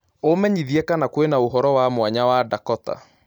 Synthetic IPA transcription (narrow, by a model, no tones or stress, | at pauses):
omɛɲiðiɛkanakwenaoɦɔɾɔwamwaɲawaːdakɔta̰